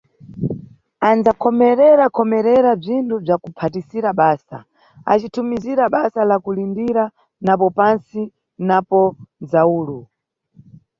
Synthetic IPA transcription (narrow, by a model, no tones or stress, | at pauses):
and͡zakʰɔmɛɾɛɾakʰɔmɛɾɛɾab͡ʐintʰub͡ʐakupʰatisiɾaɓaːsa̰ | a̰t͡ʃitʰumiziɾaɓasalakulindiɾa | napɔpansi | napɔd͡zauːlu